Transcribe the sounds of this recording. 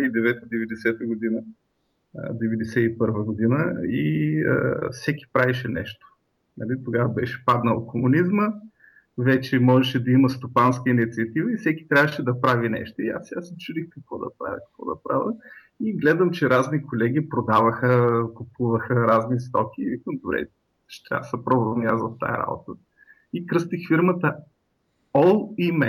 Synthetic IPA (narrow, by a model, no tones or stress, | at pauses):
id̪ɛvɛt̪əd̪ɛvɛd̪ɛsɛt̪əɡʊd̪inə | d̪ɛvɛd̪ɛsɛipɤɾvəɡod̪inəiə̰fsɛkʲi̥pɾavɛʃɛnɛ̰ʃt̪o̥ | nɐlit̪oɡavəbɛʃɛ̥pad̪nəokomunizmə | vɛt͡ʃɛmɔʒɛʃɛd̪ɐiməst̪opanskəinit̪siɐt̪ivəifsɛkʲi̥t̪ɾʲavəʃɛd̪ɐpɾavinɛ̰ʃt̪oia̰sasɛt͡ʃud̪ixkɐkvɔd̪ɐ̰pɾa̰vʲə̰kə̥kvɔ̰d̪ɐ̰pɾa̰və̰ | iɡlɛd̪əmt͡ʃɛɾaznikolɛɡ̟ʲipɾod̪avəxəkʊpuvəxəɾaznist̪ɔkʲiːvikəmd̪obɾɛ̰ | ʃt̪a̰səpɾɔbmʲazvɐft̪a̰jə̰ɾa̰bo̰t̪ə | ikɾɤst̪ixfiɾmət̪ə | ɔlˠimɛ